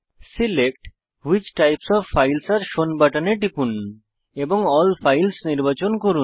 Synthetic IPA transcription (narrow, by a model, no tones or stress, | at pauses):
silek̚ʈ | wit͡ɕʈajpsɔfːajlsaɾʃonbaʈaneʈipun | eboŋɔlfʰajlsniɾbat͡ɕonkoɾun